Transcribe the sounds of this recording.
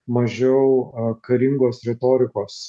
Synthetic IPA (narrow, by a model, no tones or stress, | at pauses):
mɐʒʲɛʊkɐɾʲɪŋɡoːsɾʲɛt̪oːɾʲɪkoːs